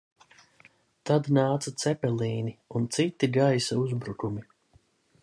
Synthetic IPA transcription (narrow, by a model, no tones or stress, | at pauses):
t̪ad̪naːt̪sat̪sɛpɛliːniunt̪sit̪ːiɡajsauzbɾukumi